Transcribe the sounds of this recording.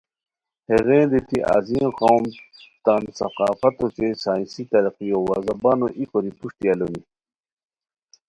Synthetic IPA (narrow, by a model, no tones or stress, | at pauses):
heʁẽːd̪et̪iʔa̰zĩːqoːmt̪ansɐqaːfɐt̪ot͡ɕesaːĩnsit̪ɐɾɐqijowaːzɐbaːnoʔikoɾipuʂt̪ialoni